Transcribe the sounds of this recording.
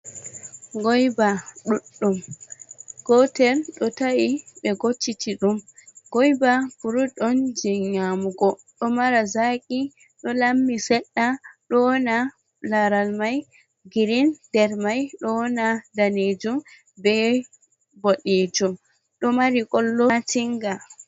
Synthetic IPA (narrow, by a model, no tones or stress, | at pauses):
ɡɔjbaɗuɗːum | ɡ̥ɔtɛɾɗɔtawiɓɛɡot͡ʃːitiɗumɡɔjbafuɾuɗɔnd͡ʒiɲamuɡɔ | ɗɔmaɾazakʼi | ɗɔlamːisɛɗːaɗɔna | laɾalmaj | ɡiɾindɛɾmajɗɔnadaned͡ʒum | bɛ | boɗid͡ʒum | ɗɔmaɾikɔlːɔtiŋɡa